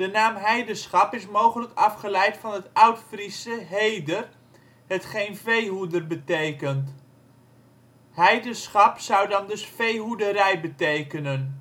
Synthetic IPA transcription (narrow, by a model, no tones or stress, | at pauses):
d̥ənaːmɦɛjdənsχɑpɪsmowχələkɑfχəlɛjtfɑnɦətɑwtfrisəɦejdər | ɦətχejnvejɦudərbətejkənt | hɛjdəsχɑpsɑwdɑndɵsfejɦudəɾɛjbətejkənən